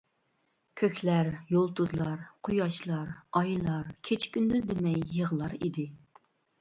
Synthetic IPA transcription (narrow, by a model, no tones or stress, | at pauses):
kʲʰøkʲʰlæɾjolˠt̪ʰuzlˠɑɾqʰujɑʃlˠɑɾɑjlˠɑɾkʲʰet͡ʃʰkʲynd̪yzd̪ɪmɛjːəʁlˠɑɾḭd̪ɪ